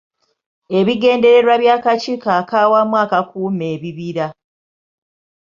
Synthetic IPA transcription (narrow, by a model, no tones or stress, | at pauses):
e̞βiɡe̞ːnde̞ɾe̞ɾwaβjaːkat͡ʃikaːkaːwamwaːkakuːme̞ːβiβiɾa